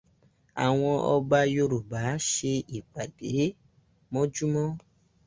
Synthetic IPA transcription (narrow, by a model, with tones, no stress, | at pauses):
a̰˨w̃ɔ̃˧ʔɔ˧ɡ͡ba˧jo˧ɾu˨ba˨˦ʃe˧i˨k͡pa˨de˨˦ | mɔ̃˦d͡ʒu˦mɔ̃˦